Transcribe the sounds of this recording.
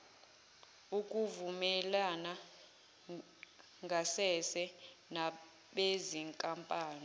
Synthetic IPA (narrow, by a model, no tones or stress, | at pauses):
uk̬ʼuvumɛlana | ŋɡʱasɛsɛ | na | ɓeziŋkʼampʼaːni